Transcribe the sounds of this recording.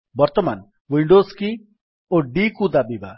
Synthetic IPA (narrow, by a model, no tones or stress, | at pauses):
bɔɾt̪ɔman | wiɳɖoski | oɖikud̪abiba